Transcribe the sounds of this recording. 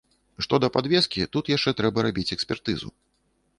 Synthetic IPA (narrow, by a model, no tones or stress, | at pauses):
ʂt̪ɔd̪ɐpad̪vʲɛskʲit̪ut̪jaʂt͡ʂɛt̪ɾɛbɐɾabʲit͡sʲɛksʲpʲɛrt̪ɨzṵ